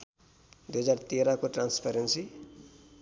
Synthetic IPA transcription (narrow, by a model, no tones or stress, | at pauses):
d̪ujɦʌd͡zart̪eɾakoʈranspʰaɾensi